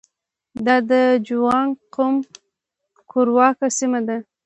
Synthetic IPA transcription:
d̪ɑd̪əd͡ʒuwɑnqom | kʰoɾwɑkasimad̪a

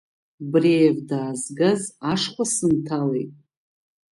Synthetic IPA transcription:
brejvdaːzɡazaʂχʷasɨntʰalejtʼ

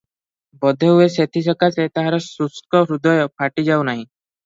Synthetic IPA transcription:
bɔd̪ʱeɦueset̪ʰis̬ɔkaset̪aɦaɾɔsuskɔɾud̪ɔjɔpʰaʈid͡ʒawnaɦĩ

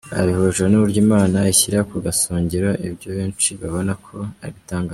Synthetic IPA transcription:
a̰βihoːʒwanuβuɾɟiːmaːnaiçiɾakuɡasoːɲɟeɾoʔibjoβeːnt͡ʃiβaβo̞nakʰo̞aβitaːŋɡa

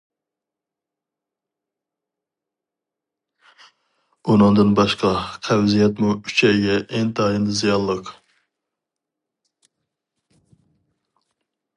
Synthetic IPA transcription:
unɨŋd̪ɨnbɑʃqɑqʰæwzijɛt̪muy̥t͡ʃʰɛɡʲɛʔɛŋd̪ɑːjɨnd̪ɨzijɑlˠːəq

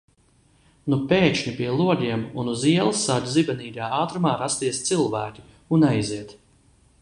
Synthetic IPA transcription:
nupeːʃɲʲipiɛlˠuɔliɛmunuziɛlˠsːadʲzibɛniːdaːaːt̪ɾumaːɾast̪iɛst̪silˠvæːkʲi̥ | unajziɛt̪

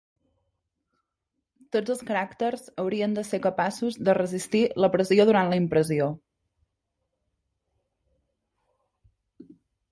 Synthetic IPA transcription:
t̪od͡zəlˠskəɾakt̪əɾzəwɾiənd̪əsekəpasuzðərəzist̪iləpɾəzioðuɾant̪ləimpɾəzio

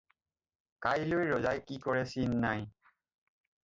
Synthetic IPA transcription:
kajlojɹɔzajkikɔɹɛsinːaj

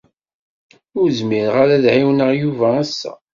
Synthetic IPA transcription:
ʊɾzmiɾʁaɾæðʕiwnəʁjuvæːsːæ̰

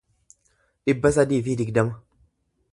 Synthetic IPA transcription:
ᶑɪbːɐsɐd̪iːfid̪ɪɡd̪ɐmɐ

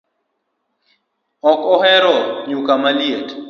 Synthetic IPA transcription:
ɔkʼɔhɛɾɔɲukamaliet

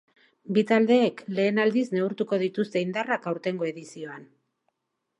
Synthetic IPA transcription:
bit̪ald̪e̞ːkle̞ːnald̪izne̞uɾt̪uko̞ðit̪ust̪e̞ind̪arakawɾt̪e̞ŋɡo̞e̞ðisio̞an

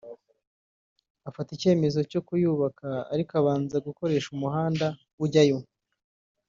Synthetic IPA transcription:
afatice̞ːme̞zo̞co̞kujuːβaka̰ːɾikaβaːnzaɡuko̞ɾe̞ːʃumuɦaːnda | uɟajo

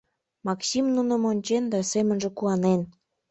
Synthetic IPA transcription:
mɑksimnunə̆monʲt͡ɕend̪ɑsemənʒĕkuɑnen

